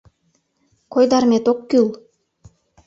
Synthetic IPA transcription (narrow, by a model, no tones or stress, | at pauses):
kʰojd̪ɑɾmet̪okːylˠ